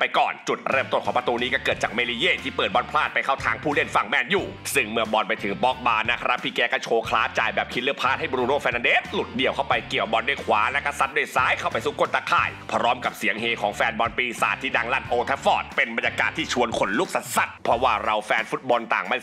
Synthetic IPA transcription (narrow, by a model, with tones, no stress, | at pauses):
pa˧jkɔ̰ː˨˩nt͡ɕu˨˩t̪̚ɾɤː˥˩mt̪o˥˩nkʰɔː˩˦pɾa˧t̪uː˧niː˦˥kɔː˥˩kɤː˨˩t̪̚t͡ɕaː˨˩k̚meː˧li˧jeː˥˩t̪ʰiː˥˩pɤː˨˩t̪̚bɔː˧npʰlaː˥˩pa˧jkʰa˥˩wt̪ʰaː˧ŋpʰuː˥˩li˥˩ənfa˨˩ŋmɛː˧˩njuː˨˩sɯ˥˩ŋmɯ˧əbɔː˧npa˧jt̪ʰɯ˩˦ŋpɔː˦˥k̚baː˧nːa˧˦˥kʰa˧ɾa˦˥pʰːiː˧˩kɛː˧˥ka˥˩t͡ɕʰoː˧kʰlaː˦˥t͡ɕaː˨˩jbɛː˨˩p̚kʰi˦˥t̪̚lɯ˥əpʰaː˥˩t̪̚ha˥˩jbɔ˧ɾuː˧noː˥˩fɛː˧nːa˧ndeː˦˥t̪̚lu˨˩t̪̚di˨əwkʰa˥˩wpa˧jki˨˩əwbɔ˧ndu˥˩˨jkʰwaː˨˦lɛ˦˥kʰa˧˥sa˧˦˥t̪̚du˥˩˨jsaː˦˥jkʰa˥˩wpa˧jsuː˧˩ko˧˥˩nt̪aː˧˩kʰa̰ː˧˩jpʰɾɔː˦˥mka˨˩p̚si˩˦əŋheː˧kʰɔː˩˦ŋfɛː˧nbɔ˧npiː˧sa̰ː˨˩t̪ʰːiː˥˩da˧ŋla˧˥˩nʔoː˧t̪ʰɛ˧˦˥fɔː˧˩t̪̚pe˧nba˧njaː˧kaː˨˩t̪ʰːiː˥˩t͡ɕʰu˧ənkʰo˩˦nlu˥˩k̚sa˨˧˩t̪̚sa˧˩t̪̚pʰɾɔ˦˥waː˥˩ɾa˧wfɛː˧nfu˦t̪̚bɔ˧nt̪aː˨˩ŋma˧˥˩